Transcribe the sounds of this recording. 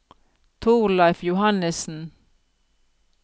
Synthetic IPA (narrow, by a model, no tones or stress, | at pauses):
t̪ʰuːlɑɪfjʊhɑnəsn̩